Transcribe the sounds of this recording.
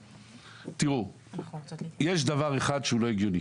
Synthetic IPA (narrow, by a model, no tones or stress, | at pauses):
tiʁu | jeʃd̪avaʁe̞χadʃeulo̞iɡjoni